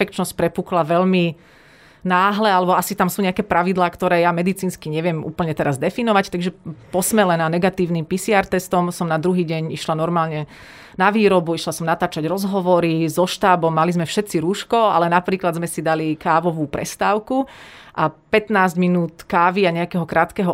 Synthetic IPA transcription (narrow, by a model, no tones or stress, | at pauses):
fɛkt͡ʃnɔsc̚ʲpɾɛpuːklaʋɛʎmi | naːɦlɛalɛbɔasit̪amsuːɲɛakɛːpɾaʋid̪laːkt̪ɔɾɛːjamɛd̪it͡siːnskiɲɛʋɪɛmʔṵːpl̩ɲɛt̪ɛɾazd̪ɛfinɔʋact̪aɡʒɛpɔsmɛlɛnaːnɛɡat̪iːʊnimpisiaːɾt̪ɛst̪ɔmsɔmnad̪ɾuɦiːɟɛɲiʃlanɔɾmaːlɲɛ | naʋiːɾɔbuiʃlasɔmnat̪aːt͡ʃaɟɾɔzɦɔʋɔɾizɔʃt̪aːbɔmːalizmɛfʃɛt̪t͡siɾuːʃkɔa̰lɛnapɾiːklad̪zmɛsid̪alikaːʋɔʋuːpɾɛ̰st̪aːʊku | ʔapɛt̪naːzɟminuːt̪kaːʋiaɲɛakɛːɦɔkɾaːt̪kɛɦɔ